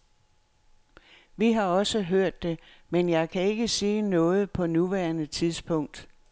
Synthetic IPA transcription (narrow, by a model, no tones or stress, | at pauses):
ʋiɦɑ̈ɒ̽səɦøɐ̰d̥ːe̝ | menjɑ̈ɪkʰæe̝ɡ̥əsiːnɔ̽ːð̞̩ˠpʰɒ̽nuʋæɐnət͡sʰiðˠsb̥ʰɔ̽ŋ̰d̥